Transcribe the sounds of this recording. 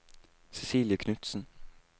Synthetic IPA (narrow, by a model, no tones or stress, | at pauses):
sɛsiːljəkʰnʉt̪sn̩